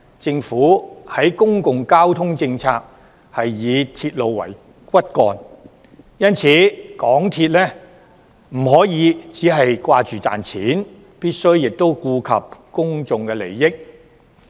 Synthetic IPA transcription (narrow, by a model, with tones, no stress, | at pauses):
t͡sɪ˧ŋfuː˨˥hɐ˨˥jkʊ˥ŋkʊ˨ŋkaː˥wt̪ʰʊ˥ŋt͡sɪ˧ŋt͡sʰaː˧k̚ | hɐ˨jːiː˨˧t̪ʰiː˧t̚lo˨wːɐ̰˨˩j | kʷɐ˥t̚kɔ̰ː˧n | jɐ˥nt͡sʰiː˨˥kɔː˨˥ŋt̪ʰiː˧t̚lɛː˥ | m̩˨˩ɦɔː˨˥jiː˨˧˥t͡siː˨˥ɦɐ˨jkʷaː˧t͡ʃyː˨t͡sa̰ː˨nt͡sʰiː˨˥n | piː˥t̚sɵ˥ɥːɪ˨k̚t̪o˥wkuː˧kʰɐ̰˨p̚kʊ˥ŋt͡sʊ˨ŋkɛ˧le˨˩jːɪ˥k̚